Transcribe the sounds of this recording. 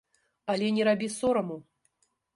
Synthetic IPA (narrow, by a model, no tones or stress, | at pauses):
ɐlʲɛnʲɛɾabʲisɔɾɐmu